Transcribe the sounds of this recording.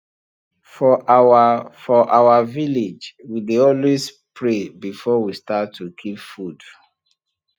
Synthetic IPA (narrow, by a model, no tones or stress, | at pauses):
fɔawafɔʔawaviled͡ʒwideɔlwes | pʰɹebifɔwistatʰːukʰipfud̥